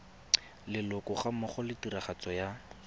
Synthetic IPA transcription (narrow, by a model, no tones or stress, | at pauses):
lɪlʊkʊχamɔχɔlɪtiraχat͡sɔja